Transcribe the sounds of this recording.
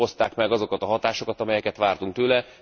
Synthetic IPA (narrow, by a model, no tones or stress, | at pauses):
o̞st̪aːkmɛɡɒzo̞kɒt̪ɒɦɒt̪aːʃo̞kɒt̪ɒmɛjɛkɛt̪ʋaːrt̪uŋk̚t̪øːlɛ